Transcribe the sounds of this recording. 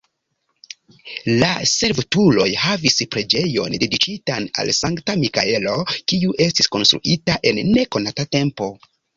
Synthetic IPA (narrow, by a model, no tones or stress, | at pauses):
la̰se̞lvtulo̞jhavispɾe̞d͡ʒe̞jo̞̰nde̞dikitana̰lsaŋktamika̰e̞lo̞kiuʔe̞stisko̞nst̪ɾṵʔitaʔe̞nːe̞ko̞natate̞mpo̞